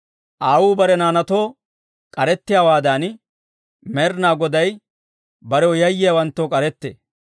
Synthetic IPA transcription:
ʔaːwuːbɐɾɛnaːnɐt̪oː | kʼɐɾɛt̪ːɪjaːwaːd̪aːn | meːɾnaːɡɔd̪ɐj | bɐɾɛwjɐjːɪjɐwɐnt̪ːoːkʼɐɾɛt̪ːḛː

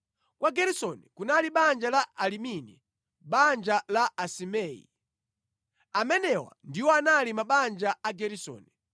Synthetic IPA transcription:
kwaɡɛɾisɔnikunaliɓand͡ʒalaʔaliminḭ | ɓand͡ʒalaʔasimɛːjḭ | amɛnɛwa̰ndiwɔanalimaɓand͡ʒaaɡɛɾisɔ̰ːni

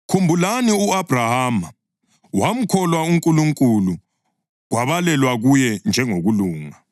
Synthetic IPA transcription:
kʰumbʱulaniuab̥ʱrahaːma | wam̩kʰɔlwauŋkʼuluŋkʼulu | ɣwaβalɛlwaɣujɛnd͡ʒʱɛŋoɣuluːŋa

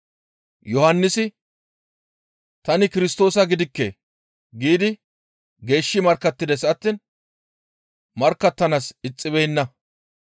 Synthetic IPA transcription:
jɔhɐnːɪsɪ | t̪ɐnɪkɪɾɪst̪o̞ːsɐɡɪd̪ɪkːɛ | ɡiːd̪ɪ | ɡe̞ːʃːɪmɐɾkːɐt̪ːɪd̪ɛsɐt̪ːiːn | mɐɾkːɐt̪ːɐnasɪt͡sʼːɪbɛjɪnːɐ

